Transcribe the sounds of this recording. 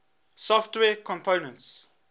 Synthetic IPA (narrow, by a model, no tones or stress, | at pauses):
sɔftwɛːkʰɔ̃mpʰoːnə̃nts